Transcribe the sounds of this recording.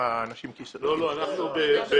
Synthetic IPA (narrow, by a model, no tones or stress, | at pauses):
aːnaʃimkislo̞lo̞anaχnubebe